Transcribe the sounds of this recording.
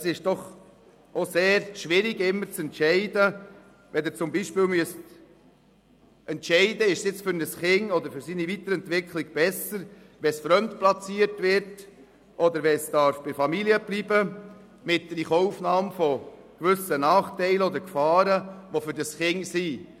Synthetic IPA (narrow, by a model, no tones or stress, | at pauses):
əsɪʃd̥ɔχ | ʔoseːɾʃʋɪɾɪɡɪmːəɾt͡sɛntʃɛɪdə | ʋɛdɪt͡sʊmbiʃpiːlmyəst | ʔɛntʃɛɪdəɪʃsjɪt͡sfʏɾnəsχɪŋɔd̪əɾfʏɾsiːnivit̪əɾɛntvɪkʰlɪɡb̥ɛsəɾ | ʋɛsfɾœmt̪plɑt͡siːəɾtʋɪɾt | ʔɔd̪əɾʋɛsd̥ɑɾfb̥ɪfɑmiliəblibə | mɪt̚dɾiχɔʊfnɑːmfɔ | kʋʏsənɑːχtɛɪləɔd̪əɾkfɑːɾəʋofʏɾd̥əsχɪŋsi